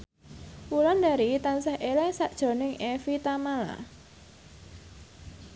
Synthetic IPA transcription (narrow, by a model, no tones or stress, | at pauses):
wulɔnd̪aɾit̪ansahʔelɛŋsaʔd̥ʒ̥ɔ̤nɪŋʔefit̪amala̰